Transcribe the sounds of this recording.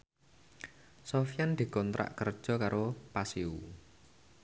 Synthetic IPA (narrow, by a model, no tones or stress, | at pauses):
sɔfijand̪̥i̤kɔnt̪ɾʔa̰ʔkərd̥ʒ̥ɔ̤kaɾopasiu